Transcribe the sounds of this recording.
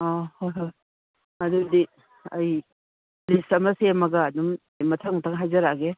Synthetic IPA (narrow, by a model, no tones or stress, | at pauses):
ɔhojɦoj | ɐdudi | ɐj | lisɐmɐsemɐɡɐːdum | jmɐtʰaŋtʰaŋɦajzɐɾaɡe